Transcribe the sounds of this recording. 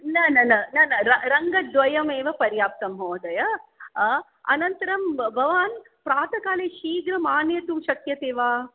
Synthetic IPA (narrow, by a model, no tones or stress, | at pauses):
nɐnɐnɐnɐnɐɾɐɾɐŋɡɐd̪ʋɐjɐmeːʋɐpɐɾjaːp̚t̪ɐmɦoːd̪ɐjɐ | ɐ̰nɐnt̪ɐɾɐmbʱɐʋaːn | pɾaːt̪ɐkaːleːʃiːɡɾɐmaːnjɐt̪umʃɐkjɐt̪eːʋaː